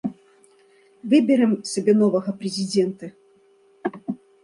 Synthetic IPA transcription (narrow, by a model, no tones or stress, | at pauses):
vɨbʲɪɾɨmsʲɐbʲɛnɔvɐɣɐpɾʲɛzʲid͡zʲɛnt̪ɐ